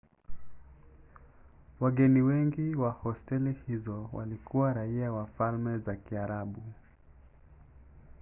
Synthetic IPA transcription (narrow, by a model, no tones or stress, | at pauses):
waɡɛniwɛŋɡiwahɔstɛlihizɔwa̰likuwaɾaiawafalmɛzakiaɾaɓu